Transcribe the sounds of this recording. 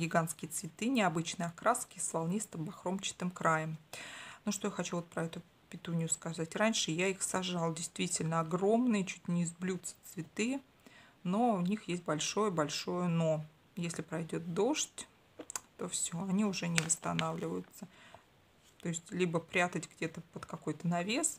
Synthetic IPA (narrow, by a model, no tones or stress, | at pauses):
ɡʲɪɡanskʲɪjət̪svʲɪt̪ɨnʲɪɐbɨt͡ɕnɨjɐkɾaskʲɪsvɐlˠnʲist̪əmbɐxɾo̞mt͡ɕɪ̥t̪ɨmkɾajəmnuʂt̪o̞jaxɐt͡ɕuvot̪̚pɾɐɛt̪ʊ | pʲɪt̪unʲɪjʊskɐzatʲranʲʂɨjaixsɐʐɑlˠdʲɪjst̪vʲitʲɪlʲnəɐɡro̞mnɨjət͡ɕut̚ʲnʲɪːzblʲut̪sə̥t̪svʲɪt̪ɨ | no̞ʊnʲixjesʲt̚ʲbɐlʲʂo̞jəbɐlʲʂo̞jəno̞ | jesʲlʲɪpɾɐjdʲo̞t̪̚d̪o̞ʂtʲ | t̪o̞fsʲoɐnʲiʊʐɛnʲɪvəst̪ɐnavlʲɪvəjʊt̪sə | t̪o̞ɪsʲtʲlʲibəpɾʲat̪ətʲɡdʲe̞t̪əpət̪kɐko̞jt̪ənɐvʲes